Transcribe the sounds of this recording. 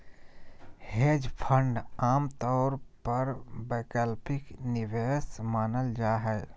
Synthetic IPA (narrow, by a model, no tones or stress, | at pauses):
heːd͡ʒpʰə̃ɳɖaːmt̪ɔːɾpəɾbɛːkəlpɪknɪʋeːsmaːnəld͡ʒaːɦɛː